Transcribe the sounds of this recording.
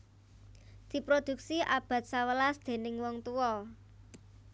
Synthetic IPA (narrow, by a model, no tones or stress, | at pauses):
d̪̥i̤pɾod̪̥ṳk̚siʔab̥a̤t̪̚sawəlasd̪̥e̤nɪŋwɔŋt̪uwɔ